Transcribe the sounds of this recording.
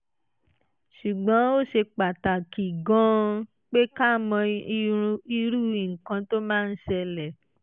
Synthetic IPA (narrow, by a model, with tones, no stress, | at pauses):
ʃu˨ɡ͡bɔ̃˨˦o˦˨ʃe˧k͡pa˨ta˨ki˨ɡɔ̃˦ | k͡pe˦ka˦˨mɔ̃˧ | i˧ɾu˦˨i˨ŋ̩˨kã˧to˦mãː˦˧n̩˦ʃɛ˧lɛ˨